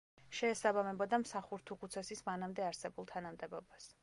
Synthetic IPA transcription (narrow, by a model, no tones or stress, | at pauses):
ʃɛːsabamɛbɔd̪amsaχuɾt̪ʰuqʼut̪sʰɛsismanamd̪ɛaɾsɛbulˠt̪ʰanamd̪ɛbɔbas